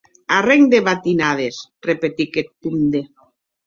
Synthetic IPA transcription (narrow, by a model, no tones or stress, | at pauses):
areŋd̪eβat̪inað̞esrepet̪iket̪̚pund̪e